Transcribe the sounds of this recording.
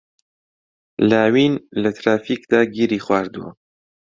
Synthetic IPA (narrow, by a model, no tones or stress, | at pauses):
laːwiːnlɐt̪ɾaːfiːkd̪aːɡiːɾiːxwaːɾd̪uɐ̰